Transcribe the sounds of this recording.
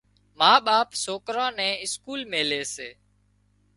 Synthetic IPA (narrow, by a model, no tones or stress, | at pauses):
maːɓaːpsoːkɾãːnɛ̃ːɪskuːlmẽːleːseː